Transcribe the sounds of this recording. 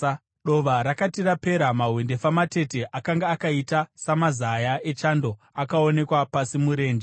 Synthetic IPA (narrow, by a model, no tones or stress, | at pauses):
ɗo̞ʋaɾakatirape̞ɾamaɦwende̞famate̞te̞ʔakaŋɡaːkaitasamazajae̞t͡ʃando̞ | akao̞ne̞kwapasimuɾe̞ːnd͡ʒe